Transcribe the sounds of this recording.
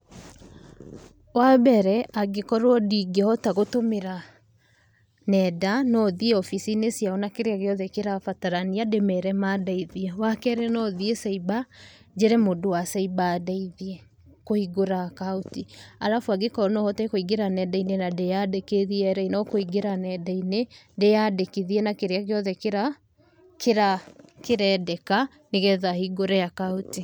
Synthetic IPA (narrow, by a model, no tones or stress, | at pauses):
wabɛɾɛʔaɡekɔɾwɔdiɡehɔtaɣotomeɾa | nɛdanɔðieɔfisinesjaɔnakeɾeaɣeɔðɛkeɾafataɾaniademɛɾɛmadaiðiɛwakɛɾɛnɔðiesɛiba | d͡ʑeɾɛmodowasɛibaːdaiðiɛ | kohiɡoɾakautia̰ɾafwaɡekɔnɔhɔtɛkoiɡeɾanɛdainenadejadekeðiɛɾɛinɔkoiɡeɾanɛdainedejadekiðiɛnakeɾeaɣeɔðɛkeɾa | kʰeɾakeɾɛːdɛka | neɣɛðahiɡoɾɛjakauti